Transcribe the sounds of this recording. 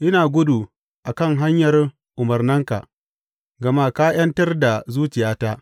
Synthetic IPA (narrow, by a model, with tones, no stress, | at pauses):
ʔɪ˦naː˨ɡʷʊ˦du˨ | ʔa˨kɐ˦˨ŋɦa˦ɲjɐ˨r | ʔʊ˨mɐ˨rnɐ˦ŋka̰˨ʔ | ɡɐ˨ma˦kaː˦j̰ɐ˦ntɐ˦rda˨zuː˦t͡ʃɪ˨jaː˦taː˦ʔ